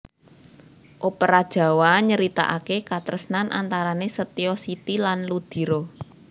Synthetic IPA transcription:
ʔopəɾad̥ʒ̥ä̤waɲəɾit̪a̰ʔakekat̪ɾəsnanʔa̰nt̪aɾanesət̪iɔsit̪ilanlud̪̥i̤ɾo

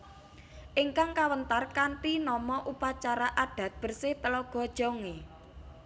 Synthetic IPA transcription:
ʔiŋkaŋkawənt̪arkant̪inɔmɔʔupat͡ʃaɾaʔaɖ̥a̤t̪̚b̥ə̤rsɪht̪əlɔɡ̥ɔ̤d̥ʒ̥ɔ̤ŋe

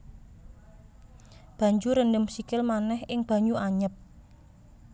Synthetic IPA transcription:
b̥ä̤ɲd͡ʒuɾəndəmsikɪlmanɛhɪŋb̥a̤ɲuʔaɲəp̚

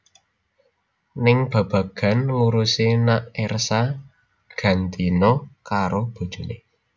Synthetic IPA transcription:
nɪŋb̥a̤b̥ä̤ɡ̥a̤nŋuɾusenaʔɛrsa | ɡ̥a̤nt̪inɔkaɾob̥o̤d̥ʒ̥o̤nḛ

